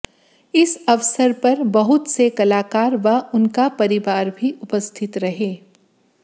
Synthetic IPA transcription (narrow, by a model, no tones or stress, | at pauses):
ɪsɐʋsəɾpɐɾbɐɦʊt̪sekɐlaːkaːɾʋɐʊnkapɐɾɪʋaːɾbʱiʔʊpəst̪ʰɪt̪ɾɐɦeː